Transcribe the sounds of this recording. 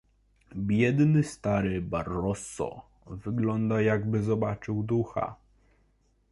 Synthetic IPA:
bʲjɛd̪nɘst̪aɾɘbaɾːɔsɔ̰ | vɘɡlɔnd̪ajaɡbɘzɔbat͡ʂɘwd̪uxa̰

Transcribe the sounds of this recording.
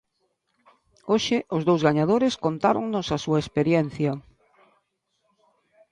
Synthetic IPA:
oʃɪʔʊzðowzɣaɲað̞oɾɪskont̪aɾo̰ŋnʊsasuɐespeɾjɛn̟θjɐ

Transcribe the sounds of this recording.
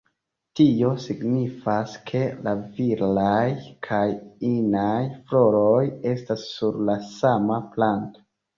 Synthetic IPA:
tio̞siɡnifaskʰe̞laviɾlajkʰajinajflo̞ɾoje̞stasːuɾlasamaplanto̥

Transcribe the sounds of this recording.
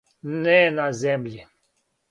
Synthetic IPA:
nɛnazɛmʎi

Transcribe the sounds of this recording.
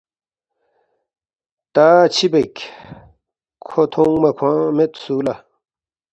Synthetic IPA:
t̪aːt͡ɕʰibekʲ | kʰot̪ʰũŋmɐkʰwãːmet̪suːla

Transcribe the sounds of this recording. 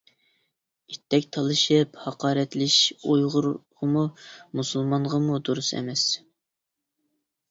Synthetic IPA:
it̪ʰːɛkʲt̪ʰɑlˠɨʃɨphɑqɑːɾɛt̪lɪʃujʁʊɾʁəmumusulˠmɑɴʁɑmud̪uɾusɛ̰mɛs

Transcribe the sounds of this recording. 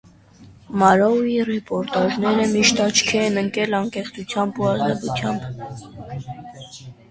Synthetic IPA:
mɑɾɔwirɛpɔɾt̪ɑʒnɛɾəmiʃt̪ɑt͡ʃʰkʰɛɛnəŋkɛlɑŋkɛχt͡sʰut͡sʰjɑmbuɑzdɛlut͡sʰjɑmb

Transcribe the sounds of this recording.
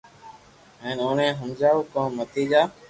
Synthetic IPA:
ɦẽːnõːnẽːɦəmd͡ʒaːuːkõːmət̪ʰiːd͡ʒaː

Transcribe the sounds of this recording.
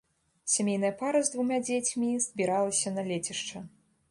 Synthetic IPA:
sʲamʲejnɐjɐpaɾɐzd̪vumʲad͡zʲet͡sʲmʲizʲbʲiɾalˠɐsʲɐnɐlʲet͡sʲiʂt͡ʂɐ

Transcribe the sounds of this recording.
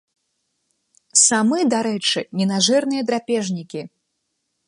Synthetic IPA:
samɨd̪aɾɛt͡ʂɨnʲɛnaʐɛrnɨjɐd̪ɾapʲɛʐnʲikʲi

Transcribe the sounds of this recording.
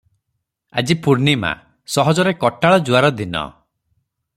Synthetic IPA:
a̰d͡ʒipuɾnima̰ | sɔɦɔd͡ʒɔɾekɔʈaɭɔd͡ʒuaɾɔd̪inɔ̰

